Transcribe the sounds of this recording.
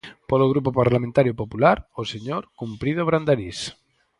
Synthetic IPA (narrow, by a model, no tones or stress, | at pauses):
poloɣ̞ɾupopaɾlamẽnt̪aɾjopopulaɾoseɲoɾkumpɾiðoβɾand̪aɾis